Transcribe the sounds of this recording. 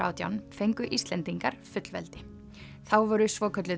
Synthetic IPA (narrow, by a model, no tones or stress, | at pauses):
a̰ːwt̪ja̰wnfejŋkʏʔist̪lɛnt̪iŋkaɾ̥fʏt̪l̥vɛlt̪ɪ | θawvɔɾʏsvɔːkʰœt̪lɪ